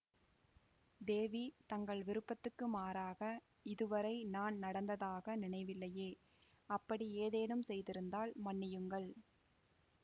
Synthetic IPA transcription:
d̪eːʋit̪ɐŋɡɐɭʋɪɾɯpːɐt̪ːɯkːɯmaːɾaːɣɐ | ɪðɯʋɐɾɐɪnaːnnɐɽɐnd̪ɐðaːɣɐnɪɳɐɪʋɪlːɐjeː | ɐpːɐɽieːðeːnɯmsɛjðɪɾɯnd̪aːlmɐɳːɪjɯŋɡɐɭ

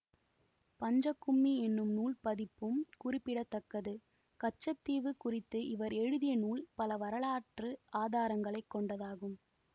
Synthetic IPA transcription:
pɐɲd͡ʒɐkːʊmːiɛnːɯmnuːlpɐðɪpːɯmkʊrɪpːɪɽɐt̪ːɐkːɐðɯ | kɐt͡ʃːɐt̪ːiːʋɯkʊrɪt̪ːɯʔɪʋɐɾɛɻɯðɪjɐnuːlpɐlɐʋɐɾɐɭaːʈrɯaːðaːɾɐŋɡɐɭɐɪkːɔɳɖɐðaːɣɯm

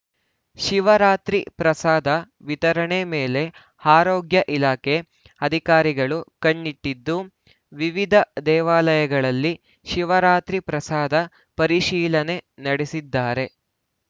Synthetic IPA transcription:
ʃiʋɐɾaːt̪ɾḭpɾɐsaːd̪ʱɐ | ʋit̪ɐɾɐɳemeːle̞ | haːɾoːɡjɐʔilaːkʰe | ɐd̪ʱikaːɾiɡɐɭukɐɳːiʈːid̪ːu | ʋiʋid̪ʱɐd̪ɛːʋaːlɐjɐɡɐɭɐlːi | ʃiʋɐɾaːt̪ɾipɾɐsaːd̪ʱɐ | pɐɾiʃiːlɐne̞nɐɽesid̪ːaːɾe̞

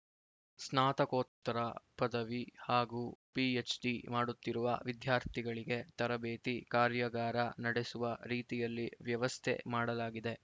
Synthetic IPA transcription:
snaːt̪ɐkoːt̪ːɐɾɐpɐd̪ɐʋihaːɡuːpiet͡ʃɖimaːɽut̪ːiɾuʋɐʋid̪jaːɾt̪ʰiɡɐɭiɡe̞t̪ɐɾɐbeːt̪ikaːɾjɐɡaːɾɐnɐɽesuʋɐɾiːt̪ijɐlːiʋjɐʋɐst̪ʰḛmaːɽɐlaːɡid̪e̞

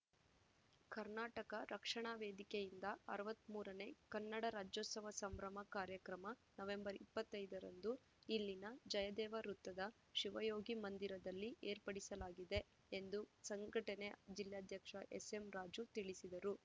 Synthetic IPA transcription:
kɐɾnaːʈɐkɐɾʔɐkʂɐɳaːʋeːd̪ikejind̪ɐɐɾɐʋɐt̪ːmuːɾɐne̞kɐnːɐɽɐɾaːd͡ʒoːt̪sɐʋɐsɐmbɾɐmɐkaːɾjɐkɾɐmɐnɐʋe̞mbɐɾipːɐt̪ːɐjd̪ɐɾɐ̰nd̪u | ilːinɐd͡ʒɐjɐd̪ɛːʋɐɾut̪ːɐd̪ɐ | ʃiʋɐjo̞ːɡimɐnd̪iɾɐd̪ɐlːiʔeːɾpɐɽisɐlaːɡid̪e̞ | end̪usɐŋɡɐʈɐne̞d͡ʒiljaːd̪ʱjɐkʂɐʔḛse̞mɾaːd͡ʒut̪iɭisid̪ɐɾu

